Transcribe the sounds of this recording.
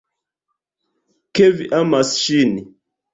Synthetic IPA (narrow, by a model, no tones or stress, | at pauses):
keviʔamasʃini